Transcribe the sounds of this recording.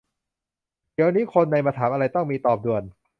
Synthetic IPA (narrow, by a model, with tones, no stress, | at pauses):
ki˨˩˦wa˧niː˦˥kʰo˧nːa˧jmaː˧t̪ʰaː˩˦mʔa˧ɾa˧jt̪ɔ˥˩ŋmiː˧t̪ɔː˨˩p̚du˨˩ən